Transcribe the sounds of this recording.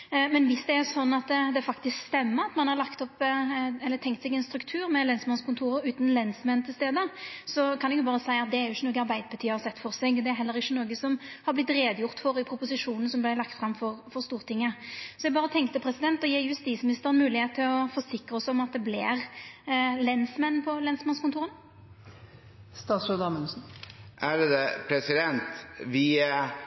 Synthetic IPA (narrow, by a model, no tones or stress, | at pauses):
mɛnʋɪsd̪ɛæɾsɔnːɑt̪d̪ɛfɑkt̪ɪskst̪ɛmːəɑt̪mɑnhɑɾlɑkt̪ɔpɛlːəɾt̪ʰɛŋkt̪sɛɡɛnst̪ɾʉkt̪ʰʉːɾmɛlɛnsmɑnskʰʊnt̪ʰuːɾəɾʉːt̪nlɛnsmɛnt̪ʰɪlst̪eːd̪əsɔkʰɑnɛɡjʊbɑːɾəsæɪɑt̪̚d̪ɛæɾjʊɪçːənoːɡəɑɾbæɪd̪əbət̪ʰyːɑsɛt̪ːfɔʁsɛɡd̪ɛæɾɦɛlːəɾɪçːənoːɡəsɔmhɑɾblɪt̪ɾeːd̪əjʊʁt̪fɔɾɪpʰɾʊpʊsɪʂuːnn̩sɔmblæɪlɑk̚t̪fɾɑmfɔɾfɔɾst̪uːʁt̪ʰɪŋːəsɔɛɡbɑːʁət̪ʰɛŋkt̪əpʰɾɛsɪd̪ɛnt̪ɔjiːjʉst̪iːt̪smɪnɪst̪əɾɛnmʉːlɪheːt̪ʰːɪlɔfɔsɪkɾəɔsɔɔmɑt̪̚d̪ɛblɪ̰ɾ | lɛnsmɛnːpʰɔlɛnsmɑnskʊnt̪uːɾən | st̪ɑːsɔd̪ɑːmənsn̩ʔæɾd̪ɛpʰɾɛsɪd̪ɛnt̪ʋɪ